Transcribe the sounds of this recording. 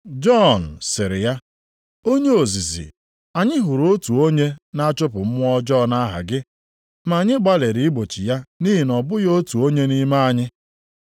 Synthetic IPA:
d͡ʒɔ˦˨n̩˨sɪ˨ɾɪ˨ja˦ | o˦ɲe˦o˨zi˨zḭ˨ | a˨ɲɪ˦ɦʊ˨ɾo˦tu˨o˦ɲe˦na˦t͡ʃʊ˦pʊ˨m̩˦m˦ɔ˦d͡ʒɔ˦na˦ɦa̰˨ɡɪ˦ | ma˨ɲɪ˦ɡ͡ba˦le˨ɾi˨ɪ˦ɡ͡bo˨t͡ʃi˨ja˦ni˦ɦi˨nɔ˨bʊ˦jo˦tu˨o˦ɲe˦ni˦ma˦a˨ɲɪ˦

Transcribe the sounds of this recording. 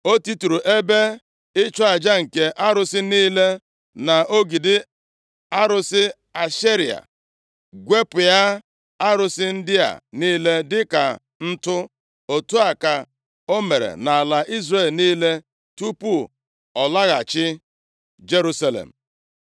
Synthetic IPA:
o˦ti˦tu˨ɾu˨ʔe˦be˦ | ɪ˦t͡ʃɔ˦a˨d͡ʒa˦ŋ̩˨ke˨ʔa˦ɾʊ˦sɪ˦niː˦le˦ | na˨ʔo˦ɡi˨dɪ˦ | a˦ɾʊ˦sɪ˦ | a˨ʃi˦ɾi˨a̰˨ | ɡʷe˦pʊ˨ja˦ | a˦ɾʊ˨sɪ˦n̩˦dɪ˦a̰˨niː˦le˦dɪ˦ka̰˨ | n̩˦tʊ˦ | o˨tu˦a˨ka˨ | o˦me˨ɾḛ˨na˨a˨la˨ʔi˦zre˦˨lniː˦le˦ | tu˦pu˦ | ɔ˨la˦ɣa˨t͡ʃɪ˦ | d͡ʒe˦ɾu˦sa˦lḛ˨m̩˨

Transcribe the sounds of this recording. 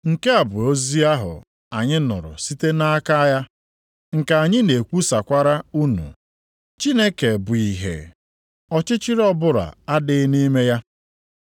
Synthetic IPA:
ŋ̩˨ke˦a˨bʊ˨o˦zi˦a˦ɦʊ̰˨ | a˨ɲɪ˦nʊ̰˨ɾʊ̰˨si˦te˦na˦ka˦ja˦ | ŋ̩˨ka˨a˨ɲɪ˦ne˨kʷu˦sa˨kʷa˦ɾa˦u˦nṵ˨ | t͡ʃi˦ne˦ke˨bʊ˨i˨ɦḛ˨ | ɔ˦t͡ʃɪ˦t͡ʃɪ˦ɾɔ˦bʊ˦ɾa̰˨a˦dɪ˨˦ni˦me˦ja˦

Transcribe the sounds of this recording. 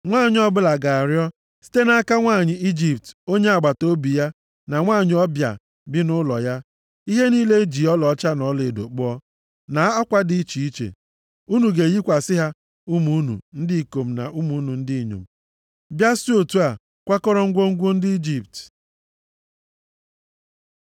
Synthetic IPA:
ŋʷaː˦˨ɲɪ˦ɔ˦bʊ˦la˨ɡa˨a˨ɾjɔ˦ | si̥˦te˦na˦a˦ka˦ŋʷaː˦˨ɲɪ˨i˦d͡ʒi˨pto˦ɲe˦a˨ɡ͡ba˨to˦bi˨ja˦ | na˨ŋʷaː˦˨ɲ˨˦ɔ˦bja̰˨ | bɪ˦nʊ˦lɔ̰˨ja˦ | i˦ɦe˦niː˦le˦d͡ʒi˨ɔ˦lɔ˨˦t͡ʃa˦nɔ˦le˨do̰˨k͡pʊ˦ɔ˦ | na˨˦ɔ˦kʷa˦dɪ˦t͡ʃi˨i˦t͡ʃḛ˨ | u˦nu˨ɡe˨ɣi˦kʷa˨sɪ˦ɦa˦ | u˦mu˨˦nṵ˨n̩˦dɪ˦i˨ko˨m̩˨na̰˨u˦mu˨˦nu˨n̩˦dɪ˦i˨ɲo̰˨m̩˨ | bja˦so˦tu˦a˨ | kʷa˦kɔ˦ɾɔ˦ŋ̩˦ɡʷo˦ŋ̩˦ɡʷʊ˦n̩˦dɪ˦i˦d͡ʒi˨p̚t

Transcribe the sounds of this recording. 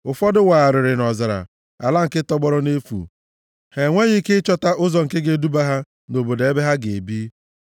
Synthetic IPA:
ʊ˨fɔ˦dɪ˦wa˨a˨ɾɪ˨ɾɪ˨nɔ˨za˨ɾa̰˨ | a̰˨la˦ŋ̩˨kɪ˦tɔ˦ɡ͡bɔ˦ɾɔ˦ne˦fṵ˨ | he˨ŋʷe˦ɣɪ˦kɪ˦t͡ʃɔ˦ta˦ʔʊ˦zɔ˨ŋ̩˨ke˦ɡe˦du˦ba˦ɦa˦ | no˨bo˨de˨e˦be˦ɦa˦ɡe˨bi˦

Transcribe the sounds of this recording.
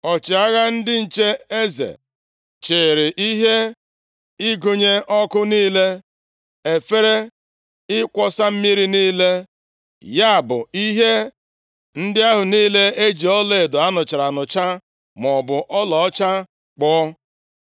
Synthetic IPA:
ɔ˨t͡ʃɪ˨a˦ɣa˦n̩˦dɪ˦n̩˨t͡ʃe˦e˦zḛ˨ | t͡ʃɪ˨ɾɪ˨ʔi˦ɦe˦ | ɪ˦ɡu˨ɲe˦ʔɔ˦kʊ˦niː˦le˦ | e˨fe˦ɾe˦ | ɪ˦kʷɔ˦sa˦m̩˦mi˦ɾi˦niː˦le˦ | ja˦a˨bʊ̰˨i˦ɦe˦ | n̩˦dɪ˦a˦ɦʊ˨niː˦le˦e˦d͡ʒi˨ɔ˦le˨dʊ˨a˦nʊ˨t͡ʃɪ˨ɾa˨nʊ˨t͡ʃa˦ | m˨ɔ˨bʊ˨ʔɔ˦lɔ˨ɔ˦t͡ʃa˦ | k͡pɔ˦

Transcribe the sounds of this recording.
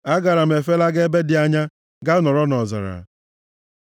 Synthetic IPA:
a˦ɡa˨ɾa˨m̩˨e˨fe˦la˦ɡe˦be˦dɪ˨a˦ɲa˦ | ɡa˦nɔ˨ɾɔ˦nɔ˨za̰˨ɾa̰˨

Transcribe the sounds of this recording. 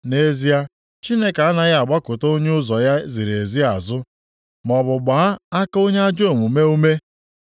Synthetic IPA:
ne˦zi˦a˦ | t͡ʃi˦ne˦ka˨a˦na˦ɣa˨ɡ͡ba˦kʊ˨to˦ɲe˦ʊ˦zɔ˨ja˦zi˨ɾe˨zi˦a˨zʊ˦ | m˨ɔ˨bʊ˨ɡ͡ba˨˦a˦a˦ka˦o˦ɲe˦a˦d͡ʒo˦˨mu˨me˦u˦me˦

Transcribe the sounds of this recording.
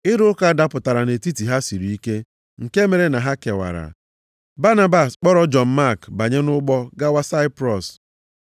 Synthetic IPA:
ɪ˦ɾʊ˦ʊ˦ka˦da˦pʊ˨ta˨ɾa˨ne˨ti˦ti˨ɦa˦si˨ɾi˨i˦ke˦ | ŋ̩˨ke˦me˨ɾe˦na˨ɦa˦ke˨wa̰˨ɾa̰˨ | ba˦na˦ba˨sk͡pɔ˦ɾɔ˦d͡ʒɔ˨m̩˦ma˦˨kba˨ɲe˦nʊ˦ɡ͡bɔ˦ɡa˦wa˦sa˦ɪ˦pɾɔ˨s

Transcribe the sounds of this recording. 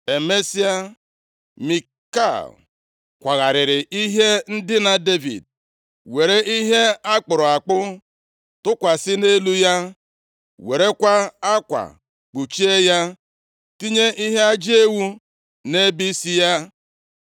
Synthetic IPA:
e˨me˦si˦a˦ | mi˨ | ka̰˦˨l | kʷa˨ɣa˨ɾɪ˨ɾɪ˨ʔi˦ɦe˦n̩˦dɪ˦na˨de˦vḭ˨d̚ | we˨ɾe˦ʔi˦ɦe˦a˦k͡pʊ˨ɾʊ˨a˨k͡pʊ˦ | tʊ˦kʷa˨sɪ˦ne˦lu˦ja˦ | we˨ɾe˦kʷa˦a˦kʷa̰˨ | k͡pu˨t͡ʃi˦e˦ja˦ | ti˦ɲe˦ʔi˦ɦe˦a˦d͡ʒi˦e˦wu˦ | ne˦bi˦si˦ja˦

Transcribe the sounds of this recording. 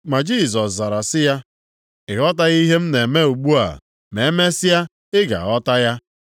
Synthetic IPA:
ma˨d͡ʒi˦˨s̬ɔ˨sza˨ɾa˨sɪ˦ja˦ | ɪ˨ɣɔ˦t̬a˦ɣi˦ɦe˦m̩˦ne˨me˦u˨ɡ͡bu˦a̰˨ | me˨e˦me˦sɪ˦ja˦ | ɪ˦ɡa̰˨ɣɔ˦ta˦ja˦

